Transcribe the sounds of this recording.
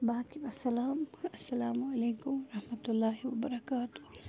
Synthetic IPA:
baːkibɐsːɐlaːmɐsːɐlaːmɐleːkʊmɐɾɐhmɐt̪ʊlːaːɦiwɐbɐɾɐkaːt̪ʊ

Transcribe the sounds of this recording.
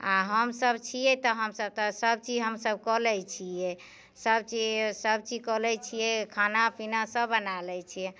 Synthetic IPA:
aɦəmsəbt͡ʃʰijɛt̪ɔɦəmsəb̚t̪ɔsəb̚t͡ʃid͡ʒɦəmsəbkɔlɛt͡ʃʰijɛ | səbt͡ʃisəb̚t͡ʃikɔlɛt͡ʃʰijɛkʰanapʰinasəbːənalɛt͡ʃʰijɛ

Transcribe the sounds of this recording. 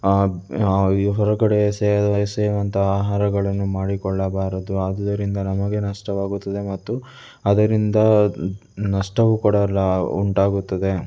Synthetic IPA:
ɦɔɾɐkɐɽeseɐd̪ɐseːɾʋɐnt̪ʰɐaːɦaːɾɐɡɐɭɐnːumaːɽikɔɭːɐbaːɾɐd̪uɐd̪d̪ɐɾind̪ɐnɐmɐɡe̞nɐʂʈɐʋaːɡut̪ːɐd̪e̞mɐt̪ːu | ɐd̪ɐɾind̪ɐ | nɐʂʈɐʋukuɽɐlːɐṵɳʈaːɡut̪ːɐd̪e̞

